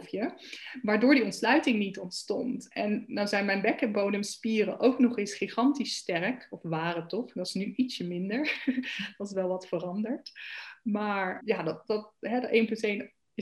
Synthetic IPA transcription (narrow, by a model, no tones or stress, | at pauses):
fjəʋaːɹdʊːɹdiɔntslœɥtɪŋnitɔntstɔntɛnːawzɛjnmɛjnbɛkɛnbownəmspiːrə̰ʔowknɔχɪsχiχɑntistɛrkɔfʋaːrətɔχdɑtɪ̥snyʔitsəmɪndəɹd̥ɑtɪs̬ʋɛlˠʋɑtfərɑndəɹtmaːɹjaːdɑt̚dɑtɦɛdejnpɵntejn